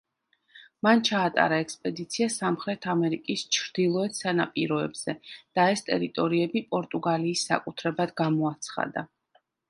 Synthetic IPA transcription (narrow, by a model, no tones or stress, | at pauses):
mant͡ʃʰaːt̪ʼa̰ɾaɛkspʼɛd̪it̪sʰiasamχɾɛt̪ʰamɛɾikʼist͡ʃʰɾd̪̥ilˠɔɛt̪ʰsanapʼiɾɔɛbz̥ɛd̪̥aɛst̪ʼɛ̰ɾit̪ʼɔɾiɛbipʼɔɾt̪ʼuɡaliːsːa̰kʼut̪ʰɾɛbad̪ɡamɔat̪sʰχa̰d̪a̰